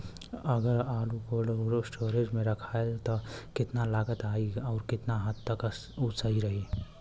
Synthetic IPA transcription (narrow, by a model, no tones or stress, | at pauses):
əɡəɾaːlukoɽɾsʈoɾed͡ʒmeɾəkʰaelt̪ɔkɪt̪nalaɡət̪aiɔːɾkɪt̪naɦət̪ːəks | ut͡ʃəiɾəɦi